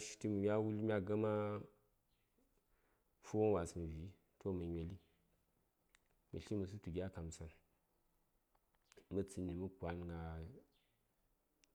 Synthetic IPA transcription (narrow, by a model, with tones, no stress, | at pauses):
ʃi̥˦ti˦mə˨mʲ˦a˦wu˦lmʲ˦a˦ɡa˦ma˦ | fu˦wo˦n˦wa˨smə˨vi˨˦ | tʰo˦mə˨ɲʲʷe˨li˦ | mḭ˨ɬi˦mə˨s̬u˦tu˨ɡʲa˦ka˨m˨sa˨n | mə˦t͡si˨ni˨mu˦kʷa˨˦nŋɡa˨